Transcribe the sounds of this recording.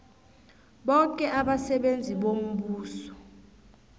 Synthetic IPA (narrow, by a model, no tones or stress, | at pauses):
ɓɔkʼɛʔaɓasɛɓend͡zʱiɓom̩ɓuːsɔ̥